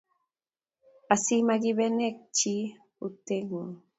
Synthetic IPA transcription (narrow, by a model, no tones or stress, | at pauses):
asimaɡiβenek̚t͡ʃi | ut̪eŋ